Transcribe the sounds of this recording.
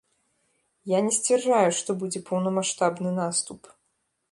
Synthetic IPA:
janʲɛsʲt͡sʲvʲɛrʐajuʂt̪ɔbud͡zʲɛpɐwnɐmaʂt̪abnɨnast̪up

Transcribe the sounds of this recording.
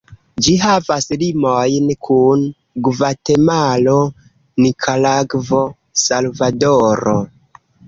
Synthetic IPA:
d͡ʒiɦavaslimojnkʰun | ɡvatemalo̞ | nikʰalaɡvo̞ | salvadoɾo

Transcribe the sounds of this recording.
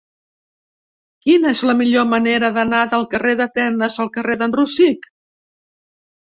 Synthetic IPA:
kinəezləmiʎoməneɾəðənaðəlˠkəreðət̪ɛnəzəlˠkəreðənrusik

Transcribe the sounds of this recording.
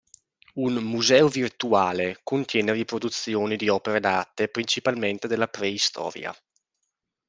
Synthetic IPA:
unmuzɛːovirt̪uaːlekont̪jɛːneripɾod̪ut̪sjoːnid̪iɔːpeɾed̪aːt̪epɾint͡ʃipalment̪ed̪elːapɾɛist̪ʰɔ̰ːɾj̰a̰

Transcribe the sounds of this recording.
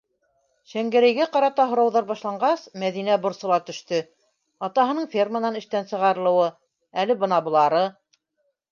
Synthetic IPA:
ʃæŋɡæ̆ɾæjɡæqɑɾɑt̪ɑɦŏɾɑwðɑɾbɑʃlˠɑɴɢɑsmæðinæbŏɾsɤ̆lˠɑt̪ɵ̆ʃt̪ɵ | ɑt̪ɑɦɤ̆nɤɴfʲermənɑnɘ̆ʃt̪ænsɤ̆ʁɑɾɤ̆lˠɤ̆wɤ | ælɘbɤ̆nɑbŭlˠɑɾɤ

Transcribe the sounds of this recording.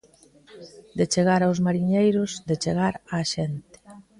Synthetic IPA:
d̪et͡ʃeɣaɾawzmaɾiɲejɾʊzd̪et͡ʃeɣ̞aɾaʃent̪e̥

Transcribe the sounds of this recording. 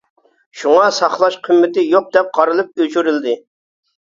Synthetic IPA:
ʃuŋɑsɑχlˠɑʃqʰymːɪt̪ɪjoq̚d̪ɛp̚qʰɑɾɨlˠɨp̚øt͡ʃʰyɾyld̪ɪ

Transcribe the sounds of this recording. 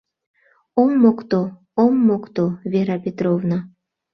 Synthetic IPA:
omːokt̪o | omːokt̪ovʲeɾɑpʲet̪rovna

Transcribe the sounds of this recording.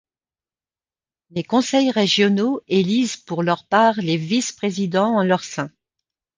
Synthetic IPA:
lekɔ̃sɛjʁeʒjɔnoelizpuʁlœʁpaːʁlevispχezid̪ɑ̃ɑ̃lœʁsɛ̃

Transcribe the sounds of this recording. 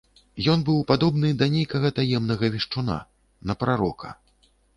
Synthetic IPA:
jɔnbɨwpad̪ɔbn̪ɨd̪ɐnʲejkɐɣɐt̪ajɛmnɐɣɐvʲiʂt͡ʂuna̰ | nɐpɾaɾɔkʰɐ̥̰

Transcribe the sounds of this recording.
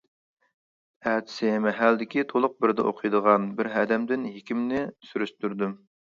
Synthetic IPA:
æːt̪ʰɪ̥sɪmɛɦæld̪ɪkʲit̪ʰolˠʊq̚bɪɾd̪ɛ̰ʔoqʰɨjd̪əʁɑnbɪɾɦæd̪ɛmd̪ɪnɦekʲimnɪsyɾyʃt̪yɾd̪ym

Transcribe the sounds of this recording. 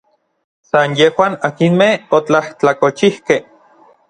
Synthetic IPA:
sanjehwaːnakinmehot͡ɬaht͡ɬakot͡ʃihkeh

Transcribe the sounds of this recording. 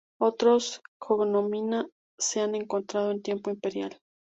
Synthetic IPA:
o̞t̪ɾosxoɣnomina | seane̞ŋko̞nt̪ɾað̞oe̞nt̪je̞mpoimpe̞ɾja̰l

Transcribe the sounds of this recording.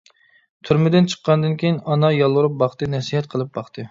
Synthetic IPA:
t̪ʰyɾmɪd̪ɪnt͡ʃʰə̥qːɑnɨd̪ɨnkʲʰejinɑnɑjɑlˠwuɾup̚bɑχt̪ɨnɛsiɦɛt̪̚qʰəlˠɨp̚bɑχt̪ʰɨ

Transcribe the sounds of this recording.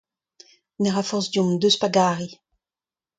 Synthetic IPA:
nɛʁafɔʁsd̪jumd̪øspaɡaːʁi

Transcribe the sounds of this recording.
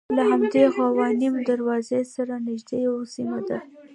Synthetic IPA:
laɦamd̪exawɑnimd̪aɾwɑzesaɾanɪʒd̪ejawsimad̪a

